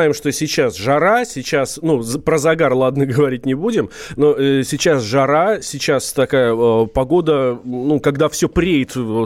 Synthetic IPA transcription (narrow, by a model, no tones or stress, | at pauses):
ajɪmʂt̪o̞sʲɪt͡ɕasʐɐɾasʲɪt͡ɕasnupɾəzɐɡarlˠad̪nəɡəvɐɾʲit̚ʲnʲɪbudʲɪmnosʲɪt͡ɕasʐɐɾasʲɪt͡ɕast̪ɐkajəpɐɡo̞d̪ənukɐɡd̪afsʲɵpɾʲeɪt̪